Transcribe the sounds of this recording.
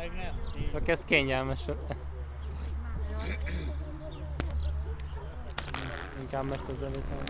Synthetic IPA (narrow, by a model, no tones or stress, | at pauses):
t͡ʃɒkɛskeːɲɛlmɛʃ | iŋkaːbmɛkkːøzɛliːt̪ɛm